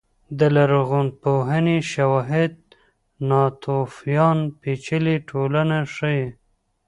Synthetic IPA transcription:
d̪əlaɾɣonpoɦəneʃawɑɦɪd̪̚ | nɑt̪ʰofjɑnpet͡ʃəliʈʰolanaʂəje

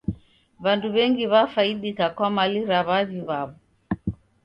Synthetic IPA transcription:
βanduβɛŋɡiβafaiɗikakwamaliɾaβaðiβaβɔ

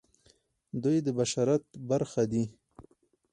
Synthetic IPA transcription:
d̪ujd̪əbaʃaɾat̪̚baɾxad̪i

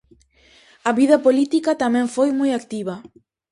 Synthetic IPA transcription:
ɐβiðɐpolit̪ikat̪amɛ̃ɱfojmujakt̪iβɐ

